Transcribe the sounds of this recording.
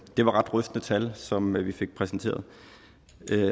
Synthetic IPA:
d̥e̝ʋɑ̈ʁɑ̈d̥ʁœfd̥nət͡sʰælsɒ̽mʋife̝ɡ̥̚pʰʁɛsn̩t͡sʰe̝̰ːɐð̩ˠ

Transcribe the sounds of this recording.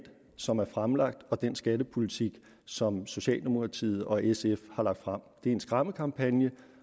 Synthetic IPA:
d̥ | sɒ̽mæɐfʁamlɑ̈ɡ̥̚d̥ɒ̽d̥ensɡ̥æd̥əpʰo̝lit͡sʰiɡ̥ | sɒ̽mso̝ɕɛ̰ːld̥e̝mo̝kʰʁɑ̈t͡sʰḭːð̩ˠɒ̽esefhɑ̈lɑ̈ɡ̥̚d̥fʁɑam̰d̥e̝æɐe̝nsɡ̥ʁɑ̈məkʰɑ̈mpʰænjə

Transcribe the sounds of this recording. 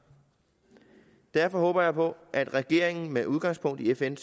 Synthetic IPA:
d̥æɐ̰fɒ̽ɦɔ̽ːb̥ɐjɑ̈ɪpʰɒ̽ʔæd̥ʁɛɡ̥e̝̰ɐ̰eŋn̩meʔuð̞ˠɡɑ̈ŋ̰spʰɔ̽ŋ̰d̥iefens

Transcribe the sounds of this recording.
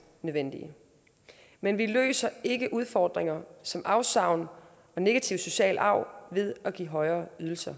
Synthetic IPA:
nøðˠʋen̰d̥ḭə | menʋilø̰ːsɐe̝ɡ̥əʔuð̞ˠfɒːd̥ʁeŋɐsɒ̽mʔɑ̈ʊsɑ̈ʊ̰n | ɒ̽ne̝ɡ̥æt͡sʰiʊso̝ɕɛ̰ːlɑ̈ʊ̰ʋe̝ð̞ˠɒɡ̥ḭːɦɒ̽ɪɐːyð̞ˠl̩sɐ

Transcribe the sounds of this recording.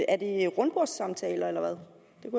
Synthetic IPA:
æɐd̥eʁɔ̽nb̥oɐ̰sːɑ̈mt͡sʰɛ̰ːlɐelɐʋæð̞ˠ | d̥e̝ku

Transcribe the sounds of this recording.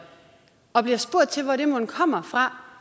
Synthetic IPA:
ɒ̽b̥liɐsb̥o̝ɐ̰d̥̚t͡sʰe̝lʋɒɾ̥emunkʰɒ̽m̰ɐfʁɑ̈

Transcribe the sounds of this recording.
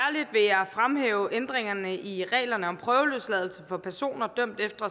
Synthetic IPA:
æɐlid̥ʋe̝æfʁamhḛːʊʔend̥ʁeŋɐnəʔiʁɛ̰ːlɐnəɒ̽mpʰʁœːʊəløslɛðˠl̩səfɒ̽pʰæɐso̝̰ːnɐd̥øm̰d̥efd̥ɐ

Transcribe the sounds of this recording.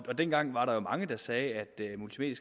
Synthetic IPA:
ɒd̥enɡ̥ɑ̈ŋ̰ʋɑ̈ɾɑ̈jo̝mɑ̈ŋəd̥ɑ̈sɛːæd̥ømult͡sʰimḛːd̥isɡ̥

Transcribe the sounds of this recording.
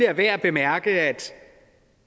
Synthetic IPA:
eɐʋæɐ̰b̥e̝mæɐɡ̥əæd̥

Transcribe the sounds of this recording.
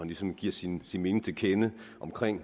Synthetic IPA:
ænlisɒ̽mɡ̥iɐ̰sinsinme̝ːnɪŋ̩t͡sʰe̝lkʰenəʔɒ̽mkʰʁeŋ̰

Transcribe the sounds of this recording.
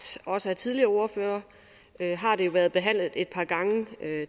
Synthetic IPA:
ɒ̽səæt͡sʰiðˠliɐːo̝ɐføːɐ | øɦɑ̈d̥e̝jo̝ʋæɐðˠb̥e̝ɦæn̰lð̞̩ˠe̝d̥̚pʰɑ̈ːɡ̥ɑ̈ŋəø

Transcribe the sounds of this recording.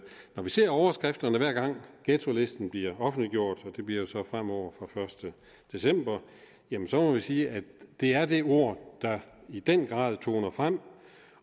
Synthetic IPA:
nɒʋise̝ɐ̰ɒʊɐsɡ̥ʁɛfd̥ɐnəʋæɐ̰ɡ̥ɑ̈ŋ̰ɡ̥et͡sʰo̝le̝sd̥n̩b̥liɐɒ̽fn̩d̥liɡ̥jo̝ɐ̰d̥ɒ̽d̥e̝b̥liɐjo̝sɒ̽fʁam̰ɒʊ̰ɐfʁɑ̈fɶɐsd̥ə | d̥e̝sem̰b̥ɐ | jæmənsɒ̽mɒ̽ʋisiːædd̥e̝æɐd̥e̝o̝ɐ̰d̥ɑ̈id̥enɡ̥ʁɑ̰̈ːðˠt͡sʰo̝̰ːnɐfʁam̰

